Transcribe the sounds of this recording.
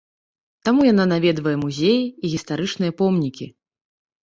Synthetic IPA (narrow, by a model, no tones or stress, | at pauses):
t̪amujan̪anavʲɛd̪vɐjɛmuzʲejiːɣʲist̪aɾɨt͡ʂnɨjɐpɔmnʲikʲi